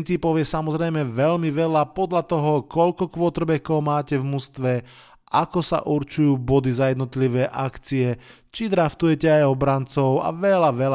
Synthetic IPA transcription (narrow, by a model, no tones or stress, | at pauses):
nt͡siːpɔʊjɛsamɔzɾɛjmɛʋɛʎmiʋɛlapɔd̪ʎat̪ɔɦɔkɔʎkɔkʋɔt̪r̩bɛkɔʊmaːcɛvmust̪ʋɛ | akɔsa̰ʔuɾt͡ʃujuːbɔd̪izajɛd̪nɔt̪liʋɛːʔakt͡siɛ | t͡ʃid̪ɾaft̪ujɛcɛajɔbɾant͡sɔʊa̰ʋɛlaʋɛl